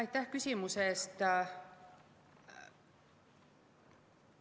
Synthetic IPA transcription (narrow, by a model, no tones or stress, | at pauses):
ɑjt̪ːæhkysʲimusest̪